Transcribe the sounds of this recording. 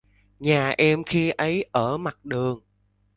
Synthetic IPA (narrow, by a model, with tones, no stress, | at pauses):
ɲaː˨˩ʔɛ˧mxi˧ʔə˨˦jʔəː˧˩ma˨˩t̚ɗɨ˨˩əŋ